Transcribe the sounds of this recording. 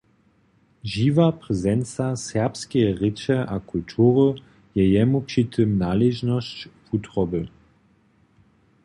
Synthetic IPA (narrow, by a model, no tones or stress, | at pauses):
ʒiːvapʁɛzɛnt͡sasɛʁpskɛʁɪt͡ɕɛʔakʰult̪ʰuːʁə | jɛjɛmupʃit̪ʰəmnaleʒnɔst͡ɕfutʁɔbə